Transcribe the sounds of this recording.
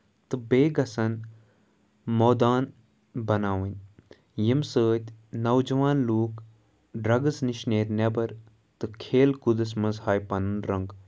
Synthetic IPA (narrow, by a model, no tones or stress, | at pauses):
t̪ɨbeːɡɐsɐn | moːd̪aːn | bɐnaːʋinʲ | jimsəːt̪ʲnɐwd͡ʒɐʋaːnluːk | ɖɾɐɡɐsniʃneːɾnʲebɐɾ | t̪ɨkʰeːlkud̪ɐsmɐzhaːjpɐnɨnɾɐŋɡ